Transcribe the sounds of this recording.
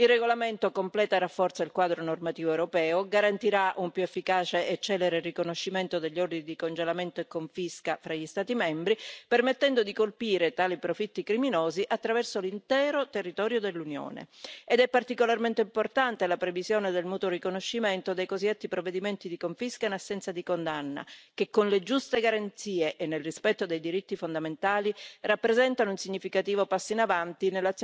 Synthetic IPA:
ilrːeɡolament̪okomplɛːt̪arafːɔrt̪sailkwaːd̪ɾonormat̪iːvoewɾopɛːoɡaɾant̪iɾaʔumpjuefːikaːt͡ʃeʔet͡ʃːɛːleɾerikonoʃːiment̪od̪eʎːord̪inid̪ikond͡ʒelament̪oekːoɱfiskafɾaʎːist̪aːt̪imɛmbɾipermet̪ːɛnd̪od̪ikolpiːɾet̪aːlipɾofit̪ːikɾiminoːziʔat̪ːɾavɛrsolint̪ɛːɾot̪erːit̪ɔːɾjod̪elːunjo̰ːnḛed̪ɛpːart̪ikolarment̪eimport̪ant̪elapɾevizjoːned̪elmut̪orikonoʃːiment̪od̪ejkozid̪et̪ːipɾovːed̪iment̪id̪ikoɱfiskainasːɛnt̪sad̪ikond̪anːa̰kekːonled͡ʒust̪eɡaɾant̪siːeʔenːelrispɛt̪ːod̪ejd̪iɾit̪ːifond̪ament̪aːlirapːɾezɛnt̪anounsiɲːifikat̪iːvopasːoinavant̪inelːat̪s

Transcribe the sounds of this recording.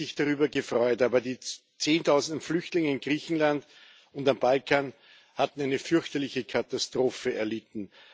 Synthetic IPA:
ɪçd̥aʁyːbɐɡəfʁ̥ɔʏtaːbɐdiː | t͡seːntʰaʊzn̩dn̩flʏçtlɪŋəɪnɡʁiːçn̩land | ʊndambalkʰaːn | hatn̩æɪnəfʏɐçtɐlɪçəkʰatastʁ̥oːfəɛɐlɪtn̩

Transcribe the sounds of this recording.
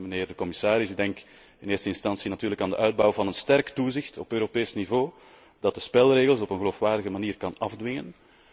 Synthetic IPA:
məneːrdəkɔmɪsaːɾɪsɪɡ̚dɛŋk | ɪneːrstəɪnstɑnsinɑtyːɾləkaːndə̰ʔœɥd̚bɔwvɑnənstɛrktuzɪxtɔpøːɾopeːsnivoː | d̥ɑt̚dəspɛlˠreːɣəlˠsɔpənɣəloːfʋaːrdəɣəmaniːrkɑnɑvdʋɪŋən

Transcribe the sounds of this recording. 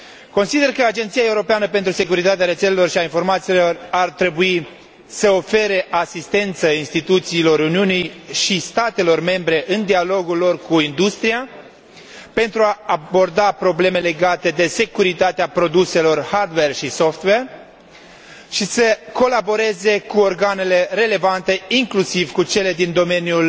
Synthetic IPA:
ko̞nsid̪e̞rkəad͡ʒe̞nt̪siae̞uɾo̞peanəpe̞nt̪ɾuse̞kuɾit̪at̪eaɾe̞t̪selelo̞rʃiainfo̞rmat̪silo̞rart̪ɾe̞bui | səo̞fe̞ɾe̞ʔasist̪e̞nt̪səinst̪it̪ut̪siːlo̞ɾuniunijʃist̪at̪e̞lo̞rme̞mbɾe̞ʔɨnd̪ialo̞ɡulːo̞rkuind̪ust̪ɾia | pe̞nt̪ɾuaːbo̞rd̪apɾo̞ble̞me̞le̞ɡat̪e̞d̪e̞se̞kuɾit̪at̪eapɾo̞d̪use̞lo̞rhard̪werʃiso̞ft̪wer | ʃisəko̞labo̞ɾe̞ze̞kuo̞rɡane̞le̞ɾe̞le̞vant̪e̞iŋklusivkut͡ʃe̞le̞d̪ind̪o̞me̞njul

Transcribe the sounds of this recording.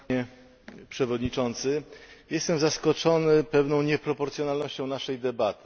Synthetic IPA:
ɛ | pʂɛvɔd̪ɲit͡ʂɔnt̪sɘjɛst̪ɛmzaskɔt͡ʂɔnɘpɛvnɔ̃w̃ɲɛpɾɔpɔɾt̪sʲjɔnalnɔɕt͡ɕɔ̃w̃naʂɛjd̪ɛbat̪ɘ̥

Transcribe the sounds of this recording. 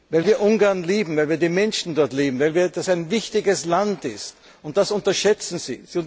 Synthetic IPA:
vaɪlviːɐʔʊŋɡaɐnliːbm̩vaɪlviːɐdiːmɛnʃn̩dɔɐtliːbm̩vaɪlviːɐd̥asæɪnvɪçtɪɡəslantɪst | ʊnt̚d̥asʊntɐʃɛt͡sn̩zḭːz̥iʊ̃

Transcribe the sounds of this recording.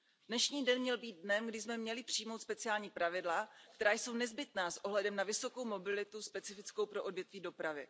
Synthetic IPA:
dnɛʃɲiːdɛnmɲɛlbiːd̪̚dnɛmɡdɪzmɛmɲɛlɪpr̥ijmo̞wt̪spɛt͡sɪaːlɲiːpɾavɪdlakt̪ɛɾaːjso̞wnɛzbɪt̪naːsʔo̞ɦlɛdɛmnavɪso̞ko̞wmo̞bɪlɪt̪uspɛt͡sɪfɪt͡skowpɾo̞ʔodvjɛt̪viːdo̞pɾavɪ̰

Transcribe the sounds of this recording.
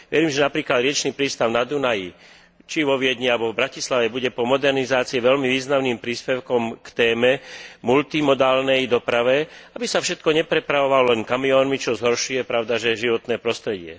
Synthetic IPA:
ʋɛɾiːmʒɛnapɾiːklad̪ɾɪɛt͡ʃniːpɾiːst̪aʊnad̪unaji | t͡ʃiʋɔʋɪɛd̪ɲialbɔvbɾacislaʋɛbuɟɛpɔmɔd̪ɛɾnizaːt͡siɛʋɛʎmiʋiːznamniːmpɾiːspɛʊkɔmkt̪ɛːmɛmult̪imɔd̪aːlnɛjd̪ɔpɾaʋɛabisafʃɛt̪̚kɔɲɛpɾɛpɾaʋɔʋalɔlɛŋkamiɔːnmit͡ʃɔzɦɔɾʃujɛpɾaʊd̪aʒɛʒiʋɔt̪nɛːpɾɔst̪ɾɛɟɪɛ̰

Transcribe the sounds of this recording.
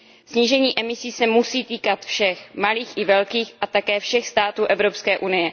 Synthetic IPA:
sɲiːʒɛɲiːʔɛmɪsiːsɛmusiːt̪iːkat̪fʃɛxmaliːxʔɪvɛlkiːxʔat̪akɛːfʃɛxst̪aːt̪uːʔɛvɾopskɛːʔunɪjɛ

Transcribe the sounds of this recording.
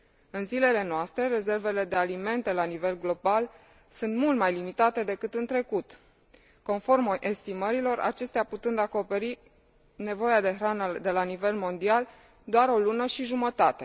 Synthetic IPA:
ɨnzile̞le̞noast̪ɾe̞ɾe̞ze̞rve̞le̞d̪e̞alime̞nt̪e̞lanive̞lɡlo̞bal | sunt̪mult̪majlimit̪at̪e̞d̪e̞kɨt̪ɨnt̪ɾe̞kut̪ | ko̞nfo̞rmʔe̞st̪iməɾilo̞rʔa̰t͡ʃe̞st̪eaput̪ɨnd̪ako̞pe̞ɾi | ne̞vo̞jad̪e̞ɦɾanəd̪e̞lanive̞lmo̞nd̪ial | d̪oaɾo̞lunəʃiʒumət̪at̪e̞

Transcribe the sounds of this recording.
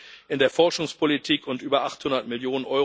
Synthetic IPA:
ʔɪndeːɐfɔɐʃʊŋspʰolitʰiːkʰʊntʔyːbɐʔaχthʊndɐtmɪljoːnənʔɔʏ

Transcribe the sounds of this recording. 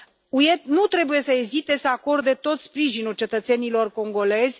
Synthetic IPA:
uje̞t̪nut̪ɾe̞buje̞səezit̪e̞səako̞rd̪e̞t̪o̞t̪spɾiʒinult͡ʃe̞t̪ət̪senilo̞rko̞ŋɡo̞le̞zʲ

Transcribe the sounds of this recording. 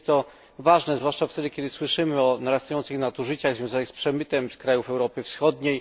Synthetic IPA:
st̪t̪ːɔ | vaʐnɛzvwaʂt͡ʂaft̪ɛd̪ɘkʲjɛd̪ɘswɘʂɘmɘɔnaɾast̪ajɔnt̪sɘxnat̪uʐɘt͡ɕaɣzvʲjɔ̃w̃zanɘxspʂɛmɘt̪ɛmskɾajufɛwɾɔpɘfsxɔd̪ɲej

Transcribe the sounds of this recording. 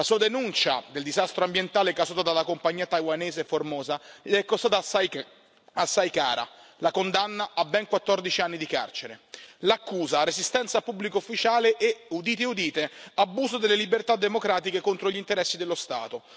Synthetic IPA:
lasuːad̪enunt͡ʃa̰d̪eld̪izast̪ɾoambjent̪aːlɛkːazuːt̪ad̪alakompaɲːiːat̪ajwanɛːzeformɔːzaʎɛkːost̪at̪ | asːajkaːɾa̰lakond̪anːaʔabːɛŋkwat̪ːɔrd̪it͡ʃianːid̪ika̰rt͡ʃeɾḛlakːuːzarezist̪ɛnt̪sapubːlikoufːit͡ʃaːleʔːud̪iːt̪̬eud̪iːt̪eabːuːzod̪elːelibert̪ad̪ːemokɾaːt̪ikekont̪ɾoʎint̪eɾɛsːid̪elːost̪a̰ːt̪o

